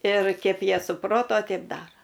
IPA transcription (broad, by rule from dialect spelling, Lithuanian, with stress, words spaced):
ɪr kʲɛp ˈjiɛ sʊˈproːtoː ˈtʲɛɪp ˈdɑːroː